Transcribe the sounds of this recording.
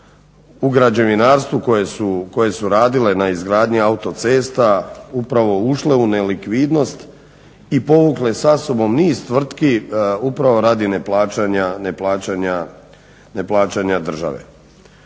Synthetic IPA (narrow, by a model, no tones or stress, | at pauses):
uɡɾad͡ʑeʋinaːɾst̪ʋukojesuko̞je̞suɾaːd̪ile̞naizɡɾaːd̪ɲiaut̪o̞t̪se̞ːst̪aupɾaʋo̞uʃle̞unelikʋiːd̪no̞st̪ | ipo̞ʋukle̞saso̞bo̞mniːst̪ʋr̩t̪kiupɾaʋo̞ɾaːd̪ineplaːt͡ʃaɲaneplaːt͡ɕaɲa | neplaːt͡ʃaɲad̪r̩ʒa̰ʋḛ